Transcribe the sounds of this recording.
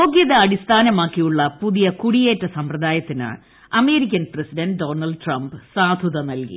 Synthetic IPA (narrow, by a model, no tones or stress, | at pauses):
oːɡjɐðɐɐɽist̪ʰaːnɐmaːkːijuɭːɐpuðijɐkuɽijeːtːɐsɐmprɐd̪aːjɐt̪ːina̰ɭ | ɐme̞ːɾikʲːɐnpresiɖɐnɖɖoːnɐlɖɨʈrɐmbsaːd̪ʱuðɐnɐlkḭ